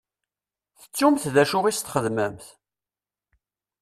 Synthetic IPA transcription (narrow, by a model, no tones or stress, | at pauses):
θə̥t͡sːumθðæʃʊʁist̪χəðməmθ